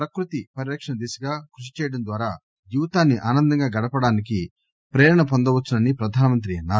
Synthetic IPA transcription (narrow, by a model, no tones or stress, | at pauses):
pɾɐkɾut̪ipɐɾiɾɐkʂɐnɐd̪iːsɐɡaːkɾuʂi̥t͡ʃɛːjɐɽɐnd̪ʋaːɾaː | juːt̪aːnːiʔaːnɐnd̪ɐŋɡaːɡɐɽɐpɐɽaːnik̬i | pɾɛːɾɐɳɐpond̪ɐʋɐt͡ʃːunɐnipɾɐd̪ʱaːnɐmɐnt̪̬ɾiɐnːaː